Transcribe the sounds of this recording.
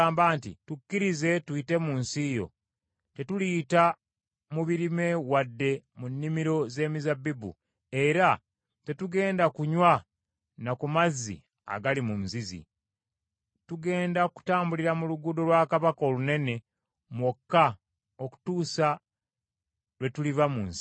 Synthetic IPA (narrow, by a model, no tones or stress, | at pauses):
mbaːntḭtukːiɾize̞twiːte̞muːnsijo̞̰ | te̞tuliːta | muβiɾime̞wadːe̞munːimiɾo̞ze̞ːmizabːibṵ | e̞ɾa | te̞tuɡe̞ːndakuɲwa | nakumazːḭ | a̰ɡalimum̩zizḭ | tuɡe̞ːndaku̥taːmbuliɾamuluɡudo̞lwaːkaβako̞ːlune̞ne̞ | mwokːa | oku̥tuːsa | lwe̞tulivamuːnsi̥